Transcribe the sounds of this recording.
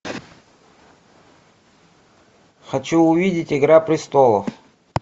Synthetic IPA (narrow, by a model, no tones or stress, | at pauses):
xɐt͡ɕuʊvʲidʲɪtʲɪɡɾapɾʲɪst̪olˠəf